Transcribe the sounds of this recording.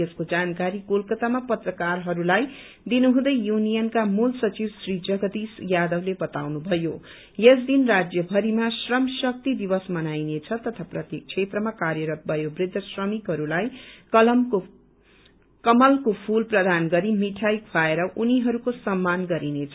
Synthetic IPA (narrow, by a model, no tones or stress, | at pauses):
eskod͡zankaɾikolkʌt̪amapʌt̪rʌkarɦʌɾulaj | d̪inuɦũd̪ʌjjunijʌnkamulsʌt͡sibsrid͡zʌɡʌd̪isjad̪ʌwlebʌt̪a̰wnubʱʌjo | jesd̪inrad͡zjʌbʱʌɾimasrʌmsʌk̚t̪id̪ibʌsmʌnajnet͡sʰʌt̪ʌt̪ʰaprʌt̪jek̚t͡sʰet̪rʌmakarjʌɾʌt̪̚bʱʌjobrid̪ʱːʌsrʌmikɦʌɾulajkʌlʌmko | kʌmʌlkopʰulprʌd̪ʱanɡʌɾimiʈʰajkʰaeɾʌʔuniɦʌɾukosʌmːanɡʌɾinet͡sʰʌ